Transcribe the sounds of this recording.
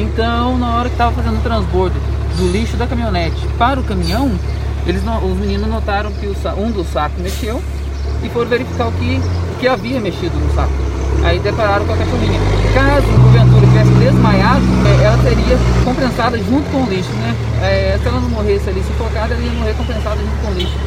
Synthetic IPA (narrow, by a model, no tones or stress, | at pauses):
ẽnt̪ɐ̃w̃nɐɔɾɐkɪ̥st̪avɐfazẽnd̪ʊt̪ɾɐ̃zboɾd̪ʊ | d̪ʊliʃʊd̪ɐkɐ̃mĩɲonɛt͡ʃɪ̥paɾʊkɐ̃mĩɲɐ̃w̃ | elɪznoʊzmĩnĩnʊznot̪aɾɐ̃w̃kɪʊsaũd̪ʊsakʊmeʃew | ɪfoɾveɾifikawkɪʊkɪaviɐmeʃid̪ʊnʊsa̰kʊa̰id̪epaɾaɾɐ̃w̃kakɛɾʃomĩɲɐkazʊɐɡovẽnt̪uɾɐt͡ʃivɛsɪd̪ezmajad̪ɐɛʔɛlɐt̪eɾiɐkõpẽsad̪ɐʒũnt̪ʊ̥kõʊliʃʊnɛ | ɛsɪɛlɐnɐ̃w̃moɦesɪalisɪfokad̪ɛlɐiɐmoɦeɾkõpẽsad̪ɐʒũt̪ʊ̥kõʊliʃʊ̥